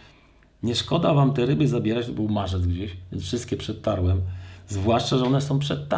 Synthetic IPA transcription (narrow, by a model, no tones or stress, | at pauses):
ɲɛʂkɔd̪avamt̪ɛɾɘbɘzabʲjɛɾat͡ɕt̪ɔbɘwmaʐɛd̪zɡd͡ʑeɕvʲjɛnsfʂɘst̪̚kʲɛpʂɛt̪̚ːaɾwɛmzvwaʂt͡ʂaʐɛɔnɛsɔ̃w̃pʂɛt̪ːa